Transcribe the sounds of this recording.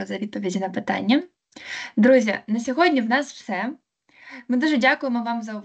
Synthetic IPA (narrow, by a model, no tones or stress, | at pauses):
ɔzɐʋʲid̪pɔʋʲidʲinɐpɪt̪ɑ̰nʲːɐ | d̪ɾuzʲjɐnɐsʲɔɦɔdʲnʲiwnɑswsɛ | mɪd̪uʒɛdʲakʊjemɔʋɑmzɐʊʋ